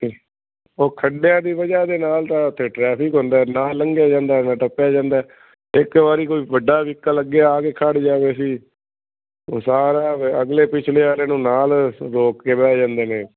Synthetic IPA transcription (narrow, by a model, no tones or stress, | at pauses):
iː | oːkʰəɖejãːd̪iːʋəd͡ʒaːd̪eːnaːlt̪ãːʊt̪ʰːeːʈɾɛːpʰɪkɦʊ̃nd̪aːɛːnaːləŋɡjaːd͡ʒãːnd̪aːɛnãːʈəpːjaːd͡ʒãːnd̪aːɛ | ɪkʋaːɾiːkoːiːʋəɖːaːʋɪkːaːləɡaːaːkeːkʰaɖd͡ʒaːʋeːsiː | oːsaːɾaːəɡleːpɪt͡ʃʰleːaːɾeːnũːnaːlɾoːkkeːʋɛːd͡ʒãːnd̪eːnẽː